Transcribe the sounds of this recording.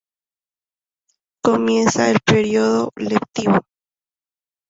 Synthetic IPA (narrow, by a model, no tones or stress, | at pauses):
komjensaelpeɾjoðolep̚t̪iβo